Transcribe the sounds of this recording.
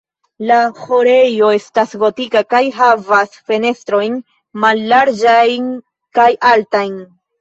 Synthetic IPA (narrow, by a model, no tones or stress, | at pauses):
laho̞ɾe̞jo̞e̞stasvo̞tikakajɦavasfe̞ne̞stɾo̞jn | malːaɾd͡ʒajn | kajaltajn